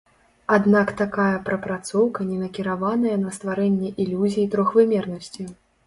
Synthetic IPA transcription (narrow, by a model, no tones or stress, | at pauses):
ad̪nakt̪akajɐpɾɐpɾat̪sɔwkɐnʲɛnɐkʲiɾavanɐjɐnɐst̪vaɾɛnʲːɛʔilʲuzʲijit̪ɾɔxvɨmʲɛrnɐsʲt͡sʲij